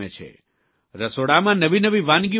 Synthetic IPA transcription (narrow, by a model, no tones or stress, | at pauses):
ḛt͡ʃʰḛ | ɾəsoɽamãnəʋinəʋiʋãnɡi